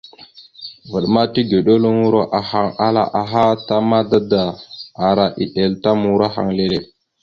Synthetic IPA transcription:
və˨ɗma˦ti˦ɡe˨ɗo˦lo˦ŋu˦ɾo˦ʔa˨ha˦ŋa˦la̰˨ʔa˨ɦa˦ta˦ma˦da˦daː˨ɾa˨ʔi˨ɗe˨lta˦mu˨ɾa˦ɦa̰˨ŋle˦le˨

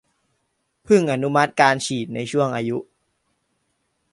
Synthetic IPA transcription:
pʰɯ˥˩ŋʔa˧nu˦˥ma˦˥t̪̚kaː˧nt͡ɕʰiː˨˩t̪̚na˧jt͡ɕʰu˥˩əŋʔaː˧ju˦˥ʔ

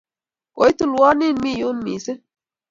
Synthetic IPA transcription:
o˨jt̪u˦˨lwɑ˦ni˦nmi˦ju˦nmḭː˨se˦

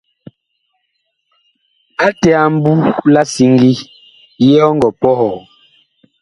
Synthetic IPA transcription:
a˦tɛ˨a˨m̩˦bu˦la˦si˦ŋɡi˦ | jɛ˦ɔ˦ŋ˦ɡɔ˨pɔ˦hɔ˨

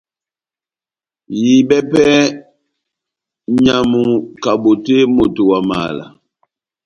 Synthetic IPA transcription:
ji˨ɓɛ˦pɛ˦ | ɲa˨mu˨ka˨ɓo˨te˦mo˨to˨wa˨ma̰ː˨la̰˨

